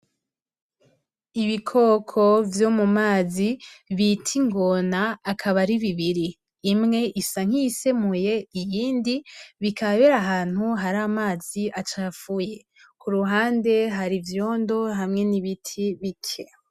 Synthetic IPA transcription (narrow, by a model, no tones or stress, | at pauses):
iβikʰo̞kʰo̞vjo̞mumaːziβitʰiŋɡo̞naːkʰaβaɾiβiβiɾiː | mŋe̞ʔisaŋ̥iːse̞muje̞ijiːndiβikʰaβeɾaɦaːn̥huɦaɾamaːziʔat͡ʃafuje̞ | kʰuɾuɦaːnde̞ɦaɾivjo̞ːndo̞ɦamŋe̞niβitʰiβikʰe